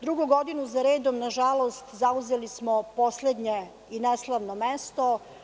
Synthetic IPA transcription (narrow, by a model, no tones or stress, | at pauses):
d̪ɾuɡuɡo̞d̪inuzaɾe̞ːd̪omnaʒalo̞st̪zauzelismopo̞sled̪ɲe | ineslˠaʋnomest̪o